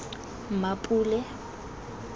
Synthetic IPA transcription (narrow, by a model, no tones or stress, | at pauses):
m̩mapʼuːlɛ